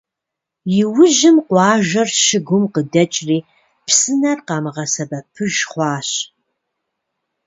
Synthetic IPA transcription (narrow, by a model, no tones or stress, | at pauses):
jɪwʊʒɪmqʷɑːʒɐrʃɪɡʷʊmqədɐt͡ʃʼriː | psɨnɐrqɑːmɨʁɐsɐbɐpʰɨʒχʷɑːɕ